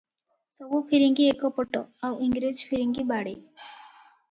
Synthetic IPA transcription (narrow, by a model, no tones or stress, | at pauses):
sɔbupʰiɾiŋɡiekɔpɔʈɔ̰awʔiŋɡɾid͡ʒpʰiɾiŋɡibaɽe